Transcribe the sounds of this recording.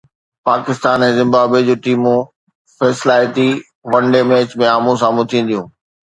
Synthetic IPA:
paːkɪst̪aːnɛ̃ːzɪ̃mbaːbed͡ʑoːʈiːmũ | fɛːsɪlaːɪt̪i | ʋɐ̃ɳɖemẽːt͡ɕmẽaːmũs̬ãːmũt̪ʰĩːnd̪ijũː

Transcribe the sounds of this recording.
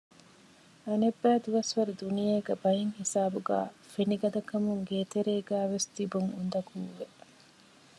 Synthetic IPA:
ɐnebːæːd̪uʋɐsʋɐɾud̪unijeːɡɐbɐjiŋhisaːbuɡæ̰ːfeniɡɐd̪ɐkɐmuŋɡeːt̪eɾeːɡæːʋest̪ibuŋund̪ɐkuːʋe

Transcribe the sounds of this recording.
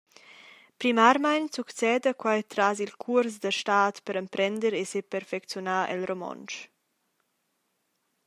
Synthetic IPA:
pɾimaɾmajnsukt͡sɛːd̪əkwajt̪ɾazilkʰuɾsd̪əʃtaːt̪pəɾəmpɾɛnd̪əɾesepɛɾfɛkt͡sjɔnaːʔɛ̰lromɔ̰nt͡ʃ

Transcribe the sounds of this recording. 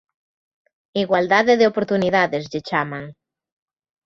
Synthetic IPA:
iɣwald̪aðeðeopoɾt̪uniðaðezʎɪt͡ʃamaŋ

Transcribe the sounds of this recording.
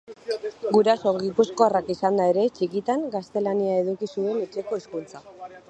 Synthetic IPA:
ɡuɾasoɣipusko̞arakisand̪ae̞ɾe̞t͡ʃikit̪aŋɡast̪e̞laniae̞ð̞ukisue̞net͡ʃe̞ko̞eskunt͡sa

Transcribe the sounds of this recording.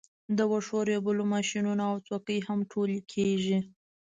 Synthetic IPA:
d̪əwəʂoɾebəlomɑʃinunoawt͡sokəjhamʈʰolikʰeʒi

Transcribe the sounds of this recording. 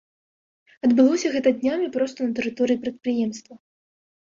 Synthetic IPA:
ɐd̪bɨlˠɔsʲɐɣɛt̪ɐd̪ʲnʲamʲipɾɔst̪ɐnɐt̪ɛɾɨt̪ɔɾɨipɾɐt̪̚pɾɨjɛmst̪vɐ

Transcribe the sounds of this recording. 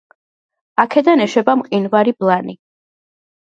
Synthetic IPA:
akʰɛd̪anɛʃɛbamqʼinvaɾiblˠani

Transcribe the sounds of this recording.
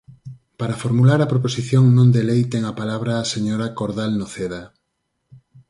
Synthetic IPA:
paɾafoɾmulaɾɐpɾoposiθjoŋnõnd̪elejt̪eŋapalaβɾaːseɲoɾakoɾðalnoθeða

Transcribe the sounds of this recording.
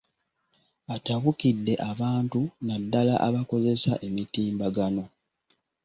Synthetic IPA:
ataβukidːe̞ʔaβaːntunadːalaʔaβako̞ze̞saʔe̞mitiːmbaɡano̞

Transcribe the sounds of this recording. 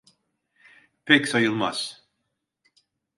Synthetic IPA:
pʰɛkʲsɑjɯlˠmas

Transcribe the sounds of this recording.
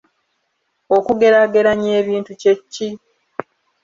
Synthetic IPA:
o̞kuɡe̞ɾaɡe̞ɾaɲeːβiːntuce̞cːi

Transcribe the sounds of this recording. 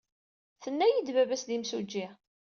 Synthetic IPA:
θənːæjid̪vævæsðimsud͡ʒːɪ

